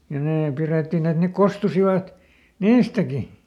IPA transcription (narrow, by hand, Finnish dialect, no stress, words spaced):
jɑ neː piretːin et ne kostusiʋɑt niːstæki